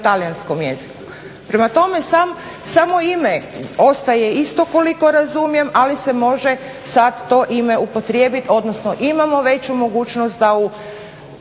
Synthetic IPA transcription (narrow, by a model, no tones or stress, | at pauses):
t̪alijansko̞mje̞̰ziku | pɾe̞mat̪o̞me̞sam | samo̞imeo̞st̪aje̞ist̪o̞ko̞liko̞ɾazumje̞malise̞mo̞ʒe | sad̪ːo̞ʔime̞upo̞t̪ɾje̞ːbit̪o̞d̪nosno̞ʔimamo̞ʋe̞t͡ɕumo̞ɡuːt͡ʃnost̪̚d̪au